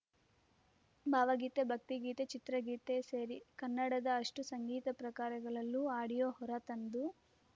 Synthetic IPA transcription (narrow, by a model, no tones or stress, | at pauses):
bʱaːʋɐɡiːt̪ebʱɐk̚t̪iɡiːt̪et͡ʃit̪ɾɐɡiːt̪e̞seːɾikɐnːɐɽɐd̪ɐːʂʈusɐŋɡiːt̪ɐpɾɐkaːɾɐɡɐɭɐlːuaːɽijoːɦɔɾɐt̪ɐnd̪u